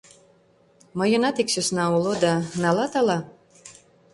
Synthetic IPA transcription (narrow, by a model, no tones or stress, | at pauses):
mɤ̆jɤ̆nɑt̪iksøsnɑulˠod̪ɑnɑlˠɑt̪ɑlɑ